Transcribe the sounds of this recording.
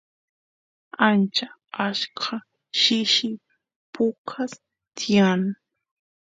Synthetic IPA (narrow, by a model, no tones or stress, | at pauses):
ant͡ʃa | aʃkʰa | ʃɪʃɪ | pʰʊkʰas | t̪ʰɪjan